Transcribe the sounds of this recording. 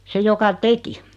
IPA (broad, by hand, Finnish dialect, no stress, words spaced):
se jokɑ teki